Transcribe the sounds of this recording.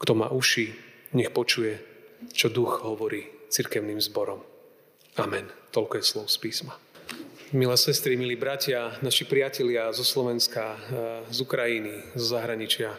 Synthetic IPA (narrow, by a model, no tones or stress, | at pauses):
kt̪ɔma̰ːʔuʃi | ɲɛxpɔt͡ʃujɛt͡ʃɔd̪uɣɦɔʋɔɾiːt͡siɾkɛʊnimzbɔɾɔm | amɛnt̪ɔlkɔjɛslɔʊspiːsma | milɛːsɛst̪ɾimiliːbɾacɪanaʃipɾɪacɛlɪazɔslɔʋɛnskazukɾajinizɔzaɦɾaɲit͡ʃɪa